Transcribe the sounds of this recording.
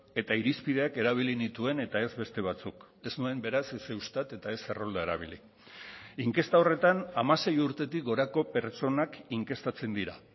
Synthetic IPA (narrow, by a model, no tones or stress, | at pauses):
e̞t̪aiɾispiðe̞ake̞ɾaβ̞ilinit̪ue̞ne̞t̪ae̞zβe̞st̪e̞β̞at͡suk | e̞znue̞mbe̞ɾasesewst̪at̪e̞t̪ae̞se̞ro̞ld̪ae̞ɾa̰β̞ili | iŋke̞st̪ao̞re̞t̪anamase̞juɾt̪e̞t̪ik̚ɡo̞ɾako̞pe̞ɾt͡ʃo̞nakiŋke̞st̪at͡se̞nd̪iɾa̰